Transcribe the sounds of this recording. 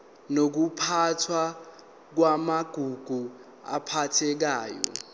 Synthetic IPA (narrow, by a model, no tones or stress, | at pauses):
nok̬upʰatʰwa | k̬wamaɡ̥ʱuɡ̥ʱu | a̰pʰatʰɛk̬aːjɔ̰